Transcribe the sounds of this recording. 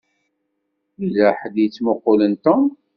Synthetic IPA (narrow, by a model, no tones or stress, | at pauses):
ilaħəd̪jət͡sːmoqːolənt̪om